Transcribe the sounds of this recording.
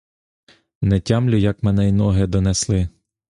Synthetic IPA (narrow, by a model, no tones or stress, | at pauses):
nɛtʲamlʲʊjɐkmɛnɛjnɔɦɛd̪ɔnɛslˠɪ